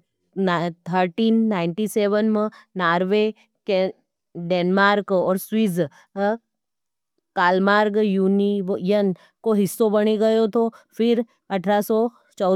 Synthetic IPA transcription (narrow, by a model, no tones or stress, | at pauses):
t̪ʰəɾʈiːnːaːɪɳʈiseːʋənmẽnaːɾʋe | ke | ɖeːnmaːɾkɔːɾswiːz | kaːlmaːɾɡjuːniʋojən | koɦɪsːobɐɽ̃eɡɐjot̪ʰofʰɪɾ | ɐʈʰɾasɔ | t͡ʃɔ